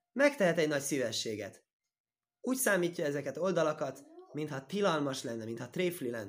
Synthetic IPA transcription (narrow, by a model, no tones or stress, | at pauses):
mɛkt̪ɛɦɛt̪ɛɟnɒcsivɛʃːeːɡɛ̰t̪ | uːcsaːmiːcːɒɛzɛkɛt̪o̞ld̪ɒlɒkɒt̪mint̪hɒt̪ilɒlmɒʃlɛnːɛmint̪hɒt̪reːflilɛnː